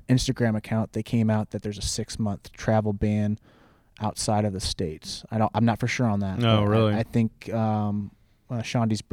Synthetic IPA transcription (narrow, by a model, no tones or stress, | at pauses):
ɪ̃nstɨɡɹæ̃mɨkʰãʊ̃nðeɪkʰẽɪ̃maʊt̪̚ðɨt̪̚ðə˞zɨsɪksmʌ̃nθtʰɹ̥ævl̩ˠbæ̃n | ʔaʊtsaɪɾʌvðɨsteɪtsaɪɾãɪ̃mnətfə˞ʃʊɹə̃nðæt̚oɹɪlˠiaɪθɪ̃ŋkʌ̃m | ʃɑ̃ndizb